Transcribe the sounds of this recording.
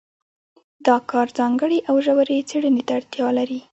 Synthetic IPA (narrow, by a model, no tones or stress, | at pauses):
d̪ɑkɑɾzɑŋɡəɽeʔawʒawaɾet͡seɽənet̪aːɽt̪jɑlaɾi